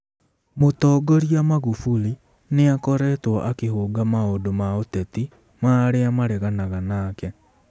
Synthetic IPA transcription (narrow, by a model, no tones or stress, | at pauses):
motɔːɡɔɾiamaɣufuli | neakɔɾɛtwɔʔakeɦoːɡamaodomaotɛti | maɾeamaɾɛɣanaɣanaːkɛ